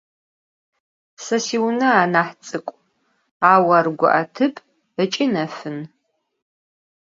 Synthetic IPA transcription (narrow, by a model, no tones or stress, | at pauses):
sɐsiwnɐaːnaħt͡sʼɨkʷʼ | aːwɐrɡʷʊ̰ʔatʰɨpʰʼ | ət͡ʃʼinɐfɨn